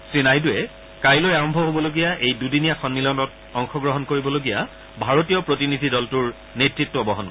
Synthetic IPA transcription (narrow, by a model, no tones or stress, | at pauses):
sɹinajdʊɛ | kaɹilojaɹɔmbʱɔɦobɔloɡijaʔejdudinijaxɔnmilɔnɔt | ɔŋxɔɡɹɔɦɔnkoɹibɔloɡija | bʱaɹotijɔpɹotinidʱidɔltuɹ | netɹitːɔbɔɦɔnkɔ